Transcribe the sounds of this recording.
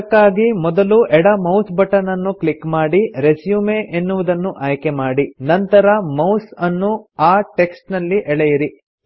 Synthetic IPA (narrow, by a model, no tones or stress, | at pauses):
kːaːɡimɔd̪ɐluʔɛɽɐmɐwsbʱɐʈɐnɐnːukɭikːmaːɽiɾe̞sjuːmeʔenːuʋud̪ɐnːuʔaːjkemaːɽinɐnt̪ɐɾɐmɐwsɐnːuaːʈe̞ksʈnɐlːiʔɛɭejɐɾi